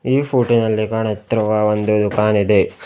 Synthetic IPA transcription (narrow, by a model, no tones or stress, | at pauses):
iːpʰuːʈinɐlːikaːɳɐt̪ɾɐʋɐʋond̪ud̪ukaːnid̪e̞